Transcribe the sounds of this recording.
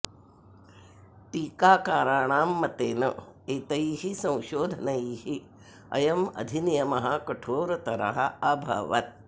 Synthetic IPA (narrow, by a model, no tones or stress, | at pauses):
ʈiːkaːkaːɾaːɳaːmːɐt̪eːnɐeːt̪ɐjiːɦisɐ̃w̃ʃoːd̪ʱɐnɐjiːhi | ɐ̰jɐmɐ̰d̪ʱinijɐmɐɦɐkɐʈʰoːɾɐt̪ɐɾɐ̰ɦɐɐbʱɐ̰ːʋɐ̰t̪̚